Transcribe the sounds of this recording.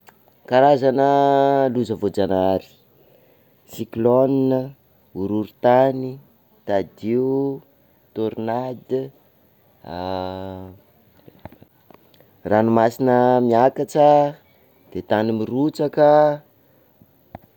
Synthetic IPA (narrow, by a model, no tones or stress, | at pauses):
kaɾazanəluzəvod͡ʒanaɾi̥ | siklɔninə | uɾuɾit̪ani | t̪ad̪iuu | t̪oɾnad̪ | ranumasinəmiakat͡ʃə | d̪̥et̪animirut͡sakə